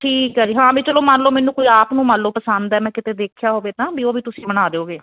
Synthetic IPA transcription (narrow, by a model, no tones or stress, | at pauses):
ʈʰiːkɦɛːd͡ʒiːɦãːbiːt͡ʃəloːmanloːmɛ̃ːnũːkoiaːpnũːmənlːoːpəsənd̪ɛːmɛ̃ːkɪt̪eːd̪eːkʰjaːɦoːʋeːt̪ãːbʱiːoːbiːt̪ʊsĩːbəñaːd̪eːoːɡeː